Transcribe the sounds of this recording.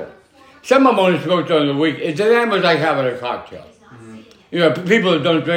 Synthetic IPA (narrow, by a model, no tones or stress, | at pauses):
sʌ̃mʌ̃mõnɨsmoʊk̚d̥ãnðəwikɪsɨnæ̃mbəzaɪævɨɾɨkʰɑ̰k̚tʰḛɪlˠ | jɨnoʊpipl̩ˠəvdõʊ̃ndɹɪ̃